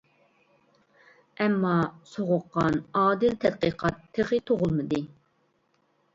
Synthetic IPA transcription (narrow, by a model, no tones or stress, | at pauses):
ɛmːɑsoʁʊqːɑnɑːd̪ɨlt̪ʰɛd̪̚qəqʰɑt̪ʰːeʁɨt̪ʰoʁʊlˠmɨd̪ɨ